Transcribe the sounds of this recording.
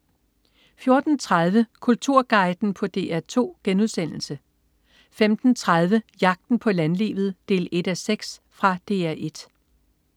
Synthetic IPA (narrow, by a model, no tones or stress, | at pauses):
fjo̝ɐd̥n̩t͡sʰʁað̞ˠʋəkʰult͡sʰuɐ̰ɡ̥ɑ̈ɪd̥n̩pʰɒ̽d̥e̝̰ːæɐt͡sʰo̝̰ːɡ̥enuðˠsen̰l̩sə | femd̥n̩t͡sʰʁað̞ˠʋəjɑ̈ɡ̥̚d̥n̩pʰɒ̽lænlḭːʋð̞̩ˠd̥e̝̰ːle̝d̥æseɡ̥sfʁɑ̈d̥e̝̰ːæɐʔe̝d̥